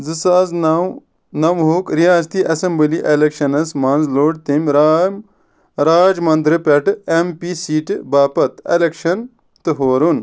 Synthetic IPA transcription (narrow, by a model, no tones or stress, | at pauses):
zɨsaːz | nɐmɦuːkɾijaːzt̪iʔɐsɐmbɨliʔelekʃɐnɐsmaːnzloːɽt̪imʲɾ | ɾaːd͡ʒmɐnd̪ɾɨpʲɐʈempisiːʈbaːpɐt̪elekʃɐn | t̪ɨɦoːɾun